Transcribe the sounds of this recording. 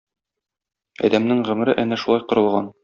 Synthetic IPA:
ɒ̰d̪æmnɘŋʁɵ̆m̆ɾɘʔænæʃulˠɑjqŏɾɤ̆lˠʁɑn

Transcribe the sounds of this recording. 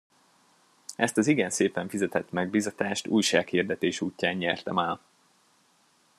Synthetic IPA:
ʔɛst̪ɒziɡɛnseːpɛɱfizɛt̪ɛt̪mɛɡ̚bizɒt̪aːʃt̪ṵːjʃaːkhird̪ɛt̪eːʃuːcːaːɲːɛrt̪ɛmaːl

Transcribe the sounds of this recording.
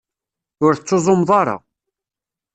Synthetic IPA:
ʊɾθət͡sːozˤʊmðˤɑɾˤɑ̰

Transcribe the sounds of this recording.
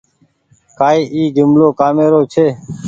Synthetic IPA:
kaːiːʔiːd͡ʒɪmloːkaːmeːɾoːt͡ʃʰeː

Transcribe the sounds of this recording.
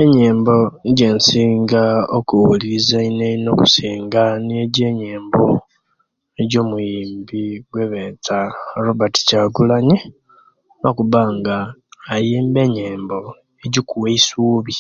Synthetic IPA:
eɲeːmbo̞ɟe̞ːnsiːŋɡaokuwuliizaineino̞ku̥siːŋɡanieɟe̞ːɲeːmbo | eɟo̞ːmujiːmbiɡwe̞βet͡saɾobati̥caɡulaɲi | nokuβaŋɡaːjiːmbe̞ɲeːmbo̞ | eɟikuweisuːβi

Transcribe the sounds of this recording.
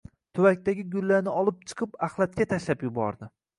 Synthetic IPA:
t̪ʰʊwakʲt̪aɡʲɪɡʲʊlːaɾnɪɒlˠɪp̚t͡ʃʰɨ̥qʰɨpaχlˠat̪̚kʲat̪ʰaʃlapjʊbɒ̰ɾd̪ɪ

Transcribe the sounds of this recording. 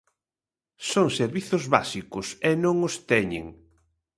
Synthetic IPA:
soŋseɾβiθʊzβasikʊsɛnõŋost̪ɛɲḛŋ

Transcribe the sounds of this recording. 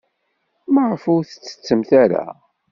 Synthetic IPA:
məʕfuθə̥t͡sːə̥t͡sːəmθaɾa̰

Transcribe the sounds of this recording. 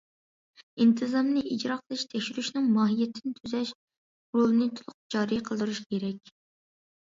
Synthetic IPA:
int̪ʰɨzɑmnɨʔid͡ʒɾɑqʰəlˠɨʃt̪ʰɛkʲʃyɾyʃnɪŋmɑːɦijɛt̪ʰɪnɪt̪ʰyzɛʃ | ɾolˠɨnɨt̪ʰulˠʊq̚d͡ʒɑːɾiqʰəlˠd̪uɾuʃkʲʰeɾɛkʲ

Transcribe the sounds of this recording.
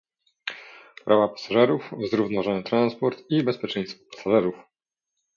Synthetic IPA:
pɾʔavapḁsaʐɛɾufzɾuvnɔvaʐɔnɛt̪ɾanspɔɾt̪ibɛspʲjɛt͡ʂɛj̃st̪fɔ̥pḁsaʐɛɾuf

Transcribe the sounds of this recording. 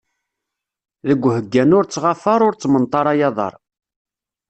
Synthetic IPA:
ðəɡʷːhəɡːænʊɾt͡sːʁɑfɑɾˤʊɾt͡sːmənt̪ˤːɑɾˤɑjɑðˤɑ̰ɾˤ

